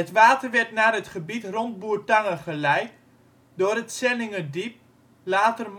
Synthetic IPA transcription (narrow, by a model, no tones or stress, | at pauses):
ətʋaːtərʋɛɹtnaːrɦətχəbitrɔnd̚buːəɹtaŋəχəlɛjt | doːrətsɛlɪŋədip̚ | laːtərm